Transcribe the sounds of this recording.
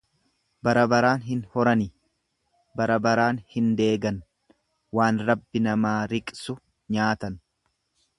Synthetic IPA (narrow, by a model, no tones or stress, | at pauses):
bɐɾɐbɐɾaːnɦɪnhɔɾɐnɪ | bɐɾɐbɐɾaːnhɪnd̪e̞ːɡɐn | waːnɾɐbːɪnɐmaːɾɪkʼsʊ | ɲaːt̪ɐn